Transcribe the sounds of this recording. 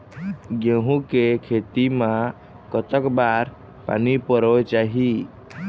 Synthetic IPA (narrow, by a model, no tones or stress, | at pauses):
ɡẽɦũkekʰet̪imã | kət̪əkbaɾ | pa̰nipəɾɔet͡ʃaɦi